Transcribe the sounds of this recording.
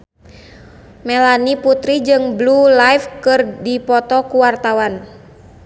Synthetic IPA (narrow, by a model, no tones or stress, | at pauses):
mɛlaniput̪ɾid͡ʒɨŋblulaifkɨrdipɔt̪ɔkuwart̪awan